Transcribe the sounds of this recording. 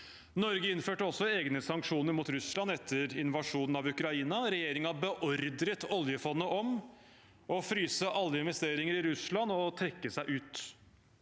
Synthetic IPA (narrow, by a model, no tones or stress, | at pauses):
nɔɾɡəɪnføːʈəɔsːɔeːɡnəsɑŋkʂuːnəɾmuːt̪ɾʉslɑnɛt̪ʰːəɾɪnʋɑʂuːnn̩ɑʋʉkɾɑiːnɑɾɛjeːɾɪŋɑbəʔɔɾd̪ɾət̪ɔljəfɔnːəʔɔm | ʔɔfɾyːsəʔɑlːəɪnʋɛst̪eːɾɪŋəɾɪɾʉslɑnɔt̪ʰɾɛkːəsæɪʔʉːt̪